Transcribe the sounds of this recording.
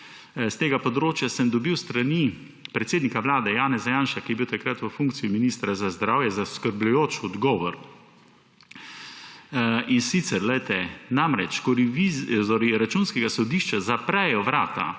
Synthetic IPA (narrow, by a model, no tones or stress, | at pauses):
st̪eːɡapɔd̪ɾoːt͡ʃjasəmd̪ɔbiwst̪ɾani | pɾɛt̪seːd̪nikaʋlaːd̪ɛjaːnɛzajaːnʃakijɛbiwt̪akɾat̪ʋəfuŋk̚t̪sijiminiːst̪ɾazazd̪ɾaːwjɛzaskəɾblujoːt͡ʃɔd̪ɡɔːʋɔɾ | insit̪sɛɾlɛjt̪ɛnamɾɛt͡ʃkɔɾiʋioɾiɾat͡ʃunskɛɡasɔd̪iʃt͡ʃazapɾɛjɔʋɾaːt̪a̰